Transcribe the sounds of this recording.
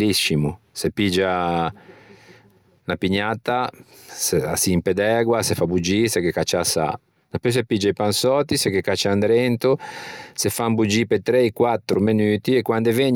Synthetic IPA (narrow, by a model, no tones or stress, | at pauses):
liʃimu | sepid͡ʒa | napiɲat̪a | sea̰simped̪ɛɡwasefabud͡ʒisɛkekat͡ʃːasa̰ | napys̬epid͡ʒaipansɔt̪ːisekːekːat͡ʃːand̪ɾɛnt̪osefambud͡ʒiːpet̪ɾeikwat̪ːɾumenyːt̪iekwand̪eveɲ